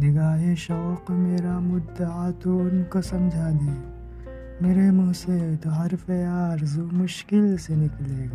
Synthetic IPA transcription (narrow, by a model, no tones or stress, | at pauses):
nɪɡaːɦeʃɔːqmeːɾamʊd̪əaːt̪oʊnkosɐmd͡ʒʱaːd̪eː | meːɾemũɦset̪oɦɐɾfejaːɾzumʊʃkɪlsenɪkleːɡa